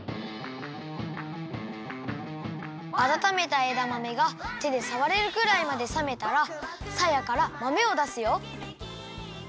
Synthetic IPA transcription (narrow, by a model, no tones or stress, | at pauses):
at̪at̪ame̞t̪aeːd̪amame̞ɡat̪e̞d̪e̞saβaɾe̞ɾɯ̟ɡɯ̟ɾaimad̪e̞same̞t̪aɾa | sajakaɾamame̞o̞d̪asɨjo̞